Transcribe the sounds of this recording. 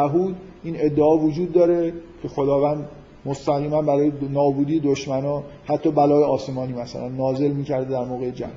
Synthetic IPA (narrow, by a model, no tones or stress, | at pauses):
æɦuːd̪ | iːne̞d̪ːeɒːvod͡ʒuːd̪ːɒːɾe̞cʰe̞xo̞d̪ɒːvæːnd̪ | most̪æɣiːmænbæɾɒːjenɒːbuːd̪iːed̪oʃmænɒːhæt̪ʰːɒːbælɒːjeɒːse̞mɒːniːmæsæ̰lænːɒːze̞lmiːcʰæɾd̪ed̪æɾmoːɣejed͡ʒæ̰m